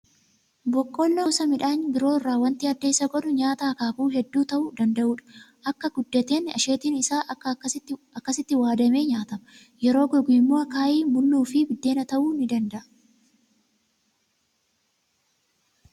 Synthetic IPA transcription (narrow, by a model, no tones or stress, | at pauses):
bɔkʼːoːlːoːsɐmɪᶑaːnbɪɾo̞ːɪrːaːwɐnt̪iɐd̪ːeːsɐɡɔᶑʊɲaːt̪aːkaːbuːɦɛd̪ːuːt̪ɐʔʊd̪ɐnd̪ɐʔuːᶑɐ̥ʔɐkːɐɡʊd̪ːɐt̪e̞ːnɐ̰ʃe̞ːt̪iːnɪsaːʔɐː | ɐkːɐsɪt̪ːɪwaːd̪ɐme̞ːɲaːt̪ɐmɐ | jɛɾo̞ːɡɔɡʊɪmːoːɐkaːʔiːmʊlːuːfɪbɪd̪ːe̞ːnɐt̪ɐʔuːnɪd̪ɐnd̪ɐʔɐ